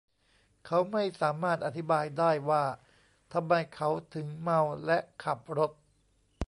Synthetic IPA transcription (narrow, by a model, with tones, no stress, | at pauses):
kʰa˦˥wma˥˩jsaː˩˦maː˥˩t̪̚ʔa˧˩t̪ʰi˦˥baː˧jdaː˥˩jwaː˥˩ | t̪ʰa˧mːa˧jkʰa˦˥wt̪ʰɯ˩˦ŋma˧wlɛ˦˥ʔkʰa˨˩p̚ɾo˦˥t̪̚